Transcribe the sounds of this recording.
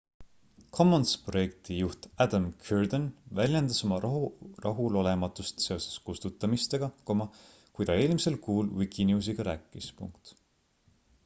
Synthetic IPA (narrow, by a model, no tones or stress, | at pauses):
kʰo̞mːonspro̞je̞k̚t̪ijuht̪æd̪ɑmkʰyrd̪̥onvælʲjend̪̥ɑso̞mɑrɑɦulo̞le̞mɑt̪ːˑust̪se̞o̞sɑ̥skust̪ut̪ːˑɑmist̪e̞ɡ̥ɑko̞mɑ | kujd̪ɑe̞ːlmise̞lkuːlwikinjuːs̬iɡ̥ɑɾæːkːˑispṵŋkt̪